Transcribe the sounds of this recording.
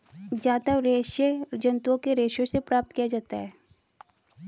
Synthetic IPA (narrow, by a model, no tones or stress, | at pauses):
d͡ʒaːt̪əʋɾeːʃed͡ʒɐ̃nt̪uõkeɾeːʃjõsepɾaːp̚t̪kijad͡ʒaːt̪aɦɛː